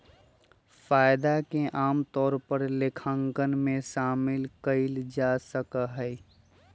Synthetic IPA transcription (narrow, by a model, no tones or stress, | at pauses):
faːɪd̪akeʔaːmt̪ɔːɾpəɾlekʰəŋkənmẽʃaːmɪlkəɪld͡ʒasəkəɦə